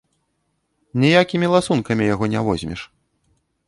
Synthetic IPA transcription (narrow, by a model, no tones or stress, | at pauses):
nʲijakʲimʲilˠasunkɐmʲijaɣɔnʲɛvɔzʲmʲɛ̰ʂ